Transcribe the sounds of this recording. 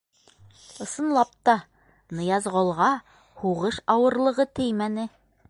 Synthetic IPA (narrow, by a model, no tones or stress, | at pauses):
ɤ̆sɤ̆nlˠɑp̚t̪ɑ | nɤ̆jɑzʁŏlˠʁɑ | huʁɤʃɑwɤ̆ɾlˠɤ̆ʁɤt̪ɘjmænɘ